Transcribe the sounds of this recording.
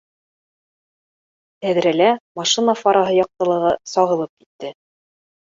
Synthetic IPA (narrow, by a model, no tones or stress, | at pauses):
t̪æðɾælæmɑʃinafɑɾɑɦɤjɒq̚t̪ɤ̆lˠɤ̆ʁɤsɒʁɤ̆lˠɤp̚ki̥t̪ːɘ